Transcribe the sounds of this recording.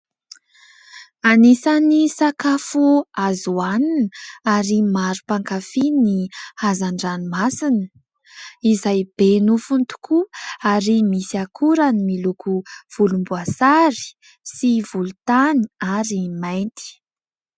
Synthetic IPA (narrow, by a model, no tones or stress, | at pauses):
anisanisakafuazuaninaɾimaɾupaŋkafinihazaɳɖ͡ʐanimasinə | izajb̥enufunt̪u̥kʰuaɾimisiakʰuɾanimilukʰuv̥ulumbuasaɾi̥ | sivulut̪aniaɾimajnt̪i̥